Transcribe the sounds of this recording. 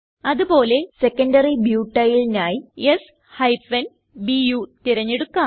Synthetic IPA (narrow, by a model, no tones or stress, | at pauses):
ɐðubo̞ːle̞sekːɐɳɖɐribjuːʈːɐjilnaːjies | hɐjpɐn | bijuːt̪iɾɐɲːeɽukːaː